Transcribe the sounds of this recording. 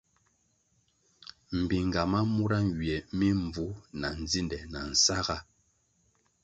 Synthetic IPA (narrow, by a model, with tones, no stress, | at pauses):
m̩˨bi˨ŋ˨ɡa˨ma˦mu˦ɾa˦ŋ˨wi˨ɛ˨mi˦ɱ˨b͡vu˨˦na˨n˨d͡zi˦ndɛ˨na˨n̩˨sa˦ɣa˦˨